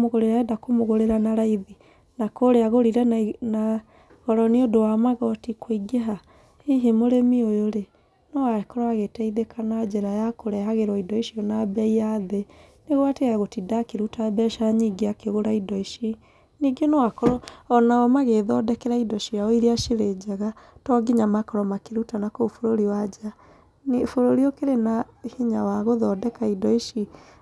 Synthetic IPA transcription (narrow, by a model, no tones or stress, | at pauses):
moɣoɾeɾaɛdakomoɣoɾeɾanaɾaiði | nakoɾeaɣoɾiɾɛna | ɣɔɾɔneodowamaɣɔtikoiɡeɦa | iɦemoɾemiojoɾe | nɔwaɛkɔɾɔaɣetɛiðekʰanad͡ʑɛɾajakoɾɛɦaɣeɾɔidɔiʃiɔnabɛiaðe | neɣwateaɣotidakeɾutabɛʃaɲiɡeakeɣoɾaidɔiʃi | niɡenɔwakɔɾɔɔnaɔmaɣeðɔdɛkɛɾaidɔʃiaɔiɾeaʃiɾed͡ʒɛɣatɔɡiɲamakɔɾɔmakeɾutanakofoɾoɾiwad͡ʒa | nefoɾoɾiɔkeɾena | hiɲawaɣoðɔdɛkaidɔiʃi